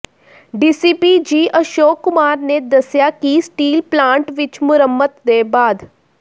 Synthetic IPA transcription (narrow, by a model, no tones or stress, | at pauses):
ɖiːsiːpid͡ʒiːʔəʃoːkːʊmaːɾned̪əsjakisʈiːlplãːɳʈʋɪt͡ʃmʊɾəmːət̪d̪eːbaːd̪